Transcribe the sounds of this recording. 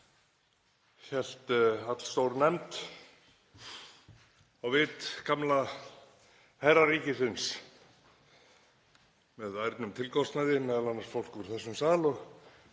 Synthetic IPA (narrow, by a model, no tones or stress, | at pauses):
çɛl̥t̪at̪l̥st̪owɾnɛmt̪ | awvɪt̪kʰamla | hajɾaɾiːcɪθʏns | mɛðajɾt̪nʏmt̪ʰɪlkʰɔst̪naðɪnɛðalanːaɾsfowl̥kvʏɾ̥θɛsːʏmsaːlɔɣ